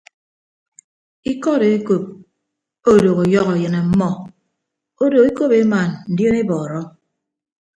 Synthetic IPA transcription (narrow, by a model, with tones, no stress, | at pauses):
i˦kɔ˦ɾe˨e˦ko˦p̚ | o˦do˨ɣo˨jɔ˦ɣɔ˨jɨ˨na˨m̩˦mɔ˦ | o˦do˨e˦ko˦pe˨˦ma˨nn̩˨djo˦ne˦bɔː˨ɾɔ˦